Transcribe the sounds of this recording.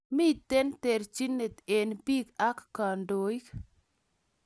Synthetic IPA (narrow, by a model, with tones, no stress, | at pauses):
mi˦˨t̪e˦nt̪e˨ɾt͡ʃi˦ne˨t̪e˨npi˦ka˦kːa˨ndo˨i˦k